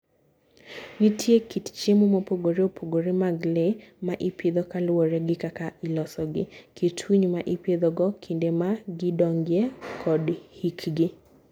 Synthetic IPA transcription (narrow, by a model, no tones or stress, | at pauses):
nitʰjekitt͡ʃemumɔpoɡoɾeopʰoɡoɾemaɡlemaʔiped̪ɔkalwɔɾɛɡɪkakailɔsɔɡɪkitʰwiɲmaʔiped̪ɔɡɔkʰindemaɡɪdɔŋɡjɛkʰɔdhikɡɪ